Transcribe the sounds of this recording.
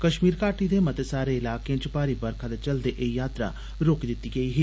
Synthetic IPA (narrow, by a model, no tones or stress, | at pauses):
kɐʃmiːɾkaːʈid̪emɐt̪esaːɾeɪlaːkeẽt͡ʃɪpaːɾibɐɾkʰad̪et͡ʃɐld̪eʔejaːt̪ɾa̰ | ɾoːkd̪ɪt̪ːiɡɐiɦiː